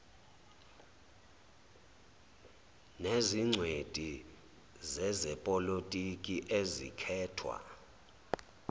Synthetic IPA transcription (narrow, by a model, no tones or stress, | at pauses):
neziŋ͡ǀʱwetʼi | zɛzɛpʼɔlotʼikʼiʔezḭkʰɛːtʰwa̰